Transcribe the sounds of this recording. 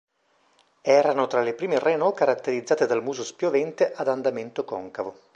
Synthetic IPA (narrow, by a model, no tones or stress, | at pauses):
ɛːɾanot̪ɾalepɾiːmerenɔkaɾat̪ːeɾid̪zːaːt̪ed̪almuːzospjovɛnt̪eʔad̪and̪ament̪okɔŋkavo